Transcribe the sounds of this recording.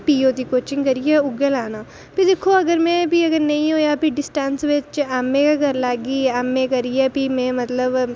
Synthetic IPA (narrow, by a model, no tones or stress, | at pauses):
piːoːt̪ikoːt͡ʃɪ̃ŋɡkɐɾijɛʊɡelaːnaː | pid̪eːkʰːoɐɡəɾmɛ̃ːbiɐɡəɾnɐĩɦoːjapiɖɪsʈɛnsʋet͡ʃaːmːẽkaɡʱəɾlaːɡiːaːmːẽkɐɾijɛpimɛ̃mɐt̪ləb